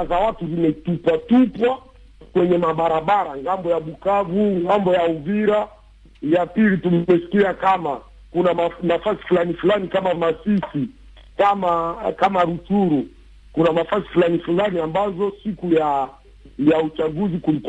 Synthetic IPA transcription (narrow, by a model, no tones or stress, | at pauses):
zawatuzimɛtupwatupwa | kwɛɲɛmaɓaɾaɓaɾaŋɡambɔjaɓukavuŋɡambɔjauviɾa | japilituɛsi̥kiakama | kunaanafasi̥fulanifulanikamamasisi | kamakamaɾutuɾu | kunanafasi̥fulanifulaniambazɔsikuja | jaut͡ʃaɡuzikulik